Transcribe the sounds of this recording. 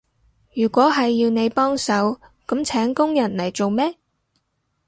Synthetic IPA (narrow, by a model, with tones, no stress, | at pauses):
jyː˨˩kʷɔː˨˥ɦɐ˨jːiː˧wne˨˧jpɔː˥ŋsɐ˨˥wkɐ˨˥mt͡sʰɛː˨˥ŋkʊ˥ŋjɐ˨˩nlɐ˨˩jt͡so˨wmɛː˥